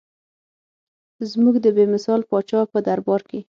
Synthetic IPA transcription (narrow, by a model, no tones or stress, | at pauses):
zmuɡd̪əbemɪsɑlpɑt͡ʃɑpəd̪aɾbɑɾke